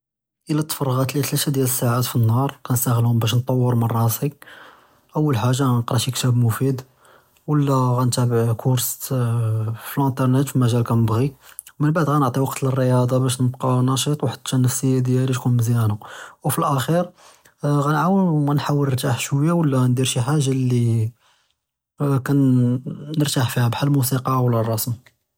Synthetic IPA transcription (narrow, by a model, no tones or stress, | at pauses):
ʔəlːæt̪ːə̥fɑrˤːɣɑt̪lit̪liʃæd̪jæləsːaʕat̪finːhɑɾˤkænst̪æɣəlhʊmbæʃ̬nt̪ˤːɑwːəɾmɑrˤɑsi | ʔəwːəlħaʒːanqɾˤɑʃjəkt̪æbmʊfid̪ | wəlːæɣænt̪æbəʕkʰʊɾs | filʔænt̪ˤɑɾˤnit̪fimæʒælkænəbɣiwmənbaʕd̪ɣænəʕt̪ˤiwɑqt̪lərːəjɑd̪ˤɑbæʃ̬nəbqɑnɑʃit̪ˤwaħəd̪ʃænːəfsəjːæd̪jæliʃkunmziænæwfilʔæxiɾ | ɣænʕawəɣænħawːələɾt̪aħʃwəjːawəlːænd̪iɾʃiħaʒːali | kænː | əɾt̪aħfihæbħalmusiqɑwəlːærˤːɑsmi